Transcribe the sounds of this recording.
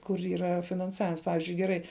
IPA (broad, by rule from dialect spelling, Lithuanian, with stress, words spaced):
kʊr iːˈrɐ fʲɪnɐnˈsɑːʋʲɪms ˈpɑːʋʲɪzʲd͡ʒʲʊɪ ɡʲɛˈrɐɪ